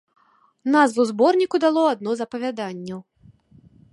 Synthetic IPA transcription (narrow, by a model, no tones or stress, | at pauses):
nazvuwzbɔrnʲikud̪alˠɔad̪̚nɔzɐpɐvʲad̪anʲːɐw